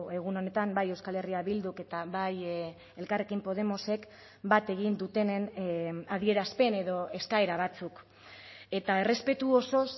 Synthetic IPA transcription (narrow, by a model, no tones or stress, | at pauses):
e̞ɣ̞uno̞ne̞t̪ambaje̞wskale̞riaβild̪uke̞t̪aβaj | e̞lkare̞kimpo̞ð̞e̞mo̞se̞k | bat̪e̞ɣ̞ind̪ut̪e̞nenaðie̞ɾaspe̞ne̞ðo̞e̞skae̞ɾaβ̞at͡suk | e̞t̪ae̞re̞spe̞t̪uoso̞s